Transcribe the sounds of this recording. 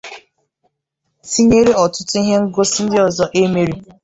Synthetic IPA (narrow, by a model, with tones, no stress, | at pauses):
si˦ɲe˦ɾe˦ɔ˨tʊ˦tʊ˦i˦ɦe˦ŋ̩˦ɡo˦si˦n̩˦dɪ˦ɔ˨zɔ˦ʔe˦me˦˨ɾi˦